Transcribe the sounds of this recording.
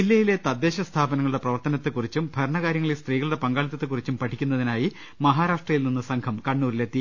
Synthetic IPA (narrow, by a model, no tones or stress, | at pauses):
ilːɐjile̞t̪ɐd̪ːe̞ːɕɐst̪ʰaːbɐnɐŋːɐɭuɽe̞prɐʋɐrt̪ɐnɐt̪ːɨkurit͡ɕːumbʱɐɾɐɳɐɣaːɾjɐŋːɐɭilst̪riːɣɐɭuɽe̞pɐŋɡaːɭit̪ːɐt̪ːekurit͡ɕːumpɐʈʰikʲːunːɐðinaːji | mɐɦaːɾaːʂʈrɐjilninːɨsɐŋkʰɐmkɐɳːuːɾile̞t̪ːi